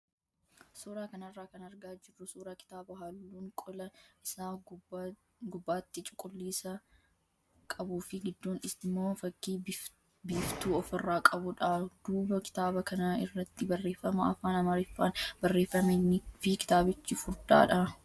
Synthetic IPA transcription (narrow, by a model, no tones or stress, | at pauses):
suːɾaːkɐnɐrːaːkɐnɐɾɡaːd͡ʒɪrːʊsuːɾaːkɪ̥t̪aːbɐɦɐlːuːŋkʼʊlɐɪsaː | ɡʊbːaːt̪ːɪt͡ʃʼʊ̥kʼʊlːiːsɐ | kʼɐbuːfɪɡɪd̪ːoːnɪsɪmːoːfɐɡːiː | biːft̪uːɔfɪrːaːkʼɐbʊᶑɐd̪̥uːbɐkɪ̥t̪aːbɐkɐnaɪrːɐt̪ːɪbɐrːe̞ːfːɐmɐɐfaːnɐmɐɾɪfːaːnbɐrːeːfːɐmeːnːɪfɪkɪ̥t̪aːbɪt͡ʃːɪfʊɾd̪a̰ːᶑɐ